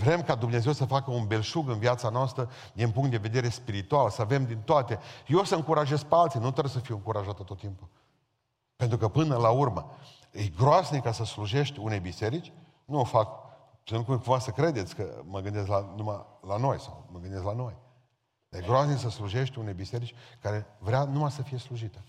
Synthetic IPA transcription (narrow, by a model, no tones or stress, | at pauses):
vɾe̞mkad̪umne̞ze̞wsəfakəunbe̞lʃuɡɨnviat̪sanoast̪ɾə | d̪inpuŋkt̪d̪e̞ve̞d̪e̞ɾe̞spiɾit̪ualsəave̞md̪int̪oat̪e̞jeosəɨŋkuɾaʒe̞z̚pealt̪sinut̪oɾes̬əfiwɨŋkuɾaʒat̪ət̪o̞t̪ːimpu | pe̞nt̪ɾukəpɨnəlaurmə | ejɡɾoasnikasəsluʒe̞ʃt̪ʲunejbise̞ɾit͡ʃʲ | nuofak | selukukuɱvasəkɾe̞d̪e̞t̪sʲkə̰məɡɨnd̪es̬t̪lanumalano̞jsa̰wməɡɨnd̪es̬t̪lano̞j | d̪ajeɡɾoasnis̬əsluʒe̞ʃt̪ʲunejbise̞ɾit͡ʃʲkaɾe̞vɾeanumasəfije̞sluʒit̪ə